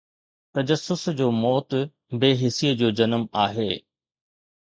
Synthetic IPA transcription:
t̪ɐd͡ʑəsːʊsd͡ʑoːmɔːt̪ | beːɦɪsijəd͡ʑoːd͡ʑɐnəmaːɦeː

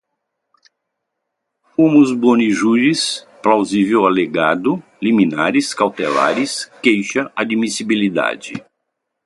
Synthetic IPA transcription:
fõmʊzboniʒuɾis | plawzivewaleɡad̪ʊliminaɾɪskawt̪ela̰ɾɪskejʃɐʔad͡ʒmisibilid̪a̰d͡ʒɪ̰

